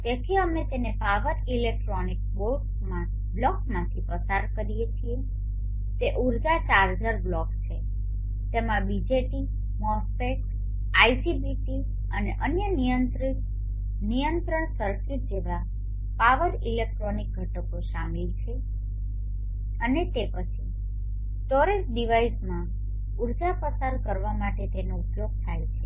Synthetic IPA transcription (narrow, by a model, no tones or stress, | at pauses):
t̪ekʰiəmet̪enepaʋəɾilek̚ʈɾonik̚ʋoɾʈ | mã | blɔkmãt̪ʰipɾəsaɾkəɾijet͡ʃʰie | t̪eʔuɾd͡ʒat͡ʃaɾd͡ʒəɾblɔkt͡ʃʰe | t̪emãbid͡ʒeʈi | mɔspek | aisibiʈi | əneʔənjənijənt̪ɾit̪ | nijənt̪ɾəɳ̃səɾskit̚d͡ʒeʋa | paʋəɾilek̚ʈɾonik̚ɡʱəʈəkoʃamilt͡ʃʰe | ənet̪epət͡ʃʰi | t̪ɔɾesɖiʋaismã | uɾd͡ʒapəsaɾkəɾʋamaʈet̪enoupjoɡ̚t̪ʰajt͡ʃʰe